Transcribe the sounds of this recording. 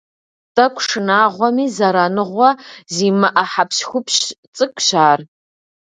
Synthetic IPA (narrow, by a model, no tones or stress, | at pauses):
tʼakʷʰʂɨnaːʁʷamizaɾanɨʁʷazimaʔaħapʰʃxʷʊpʰɕt͡sʼɨkʷʼʃaːr